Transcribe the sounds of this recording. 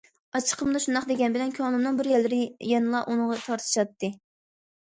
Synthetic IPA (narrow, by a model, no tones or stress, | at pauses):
ɑt͡ʃʰə̥qʰəmd̪ɑʃund̪ɑχd̪eɡʲɛnbɪlɛnkʲʰɑnumnɨŋbɪɾjɛlːɪɾɪjɛnɨlˠɑʔunɨŋʁɑt̪ʰɑɾt̪ʰɨ̥ʃɑt̪ːɨ